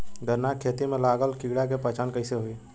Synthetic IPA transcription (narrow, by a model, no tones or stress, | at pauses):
d̪əɾnakʰːeːt̪imẽlaːɡəlkɪɡɽakepət͡ʃaːnkəɪseɦoi